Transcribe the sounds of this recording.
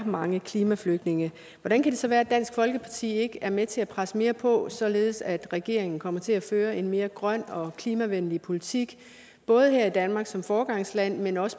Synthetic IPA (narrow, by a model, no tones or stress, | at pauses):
mɑ̈ŋəkʰliːmæfløɡ̥d̥ne̝ŋə | ʋɒɾ̥ænkʰæd̥e̝sɒ̽ʋæːɐæd̥æn̰sɡ̥fɒ̽lɡ̥əpʰɑ̈t͡sʰḭːe̝ɡ̥əæɐmet͡sʰe̝æpʰʁasəme̝ːɐpʰɒ̽sɒ̽le̝ːð̞̩ˠsæd̥ʁɛɡ̥e̝̰ɐ̰e̝ŋn̩kʰɒ̽m̰ɐt͡sʰe̝læføːɐe̝nme̝ːɐɡ̥ʁɶn̰ɒ̽kʰliːmæʋenlipʰo̝lit͡sʰiɡ̥ | b̥ɔ̽ːð̞ˠhæɐ̰id̥ænmɑ̈ɡ̥sɒ̽mfɒːɡ̥ɑ̈ŋ̰slæn̰menɒ̽sə̥